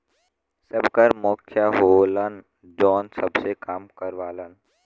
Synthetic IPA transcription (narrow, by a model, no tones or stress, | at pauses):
səbkəɾmoːkʰjaɦolən | d͡ʒɔːnsəbsekaːmkəɾʋaːlən